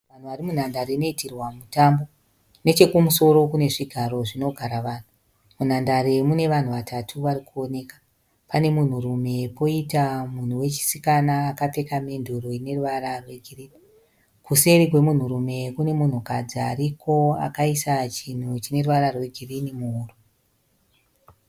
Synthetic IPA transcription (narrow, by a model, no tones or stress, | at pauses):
ʋan̤uʋarimun̤andaɾeno̞itirwamutambo̞ | ne̞t͡ʃe̞kumuso̞ɾo̞kune̞ʐiɡʱaɾo̞ʐino̞ɡʱaɾaʋaːn̤u | mun̤andaɾemune̞ʋan̤uʋatʰatʰuʋarikuo̞ne̞ːkḁ | pane̞mun̤urume̞po̞itamun̤uwe̞t͡ʃi̥sikanaːkape̞kamenduɾoine̞ruʋaɾarwe̞ɡʱiriːni | kuse̞rikwemun̤uɾume̞kune̞mun̤ukad͡ziaɾikʰo̞a̰kaisat͡ʃin̤ut͡ʃine̞ruʋaɾarwe̞ɡʱirinimuɦuːru